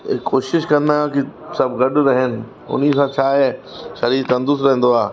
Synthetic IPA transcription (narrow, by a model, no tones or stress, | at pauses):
ɪkoːʃɪʃkɐ̃nd̪akisɐbɡɐɗʊɾɐɦənɪ̆ | ʊ̰n̤isãt͡ɕʰaːɦeːʃɐɾiːt̪ɐ̃nd̪ʊsɾɐ̃ɦə̃n̆d̪oaː